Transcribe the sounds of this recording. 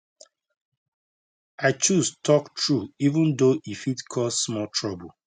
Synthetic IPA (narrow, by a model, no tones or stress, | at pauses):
aɪt͡ʃuztʰɔktɹuivə̃ndoʔifitkʰɔssmɔtʰɹɔbə